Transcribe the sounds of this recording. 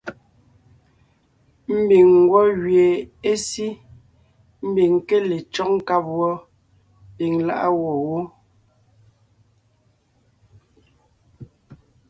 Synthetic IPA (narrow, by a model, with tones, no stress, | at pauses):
m̩˦bi˨ŋː˨ɡwɔ˦ɣɥe˨e˦si˦ | m̩˦bi˨ŋke˦le˨t͡ʃɔ˦k̚ŋ̩˦ka˦p̚wɔ˦ | pi˨ŋla̰˦ʔa˦wɔ˨wo˦